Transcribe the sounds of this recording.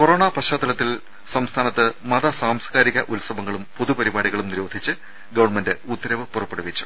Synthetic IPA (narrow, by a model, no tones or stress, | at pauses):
ko̞roːɳapɐɕaːd̪ɐlɐt̪ːil | sɐmst̪ʰaːnɐt̪ːɨmɐðɐsaːmskaːɾiɣɐʔulsɐbɐŋːɐɭumpoðupɐɾibaːɽiɣɐɭumniɾo̞ːd̪ʱit͡ɕːɨ | ɡɐʋɐrɳmendɨut̪ːɐɾɐʋɨpurɐpːeɽuʋit͡ɕːu̥